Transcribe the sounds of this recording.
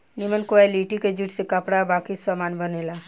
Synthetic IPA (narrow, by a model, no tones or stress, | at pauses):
nimənkoajliʈiked͡ʒuʈsekəpɽabaːkisəmaːnbəneːla